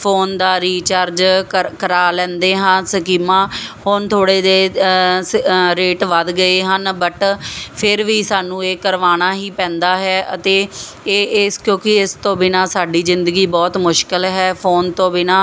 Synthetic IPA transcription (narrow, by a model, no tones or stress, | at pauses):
pʰoːnd̪aːɾiːt͡ʃaːɾd͡ʒkəɾaːlɛ̃ːnd̪eːɦənsəkiːmãːhoːnt̪ʰoːɽeːd̪eː | ɾeːʈʋəd̪ɡəeːɦənbəʈpʰɪɾʋiːsaːnũːeːkəɾʋaːnaːɦiːpɛ̃ːnd̪aːɦɛːʔət̪eː | ɪskjõːkɪɪst̪õːbɪnãːsaːɖiːzɪnd̪əɡiːbɔːt̪mʊʃkɪlɦɛːpʰoːnt̪õːbɪnaː